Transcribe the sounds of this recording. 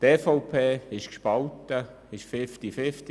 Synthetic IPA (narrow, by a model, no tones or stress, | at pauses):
t̪ɛfɔwpʰeːɪʃkʃpɑlt̪ə | ɪʃfɪft̪ifɪft̪i